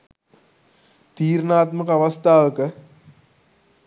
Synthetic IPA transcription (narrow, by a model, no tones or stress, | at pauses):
t̪iːɾnaːt̪məkəaʋast̪aːʋəkə